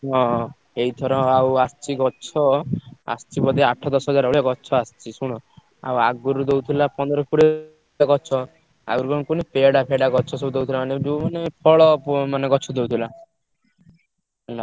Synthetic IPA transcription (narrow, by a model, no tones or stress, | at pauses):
ɦɔ̃ | eɦid̪ʱɔɾɔ̃awast͡ʃiɡɔt͡ʃʰɔa̰st͡ʃipɔd̪eaʈʰɔd̪ɔsɔɦɔd͡zaɾɔɭjaɡɔt͡ʃʰɔast͡ʃisuɽ̃ɔ | a̰waɡuɾud̪ewt̪ʰilapɔnd̪ɔɾɔkʰuɽe | aɡɔt͡ʃʰɔ | a̰ɡuɾukɔnkunepeɽapʰeɽaɡɔt͡ʃʰɔsebud̪ewt̪ʰilamaned͡ʒumanepʰɔɭɔmaneɡɔt͡ʃʰɔd̪ewt̪ʰila | na